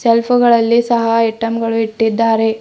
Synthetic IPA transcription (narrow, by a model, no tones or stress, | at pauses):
selpʰuɡɐɭɐlːisɐɦɐjiʈɐmɡɐɭuiʈːid̪ːaːɾe̞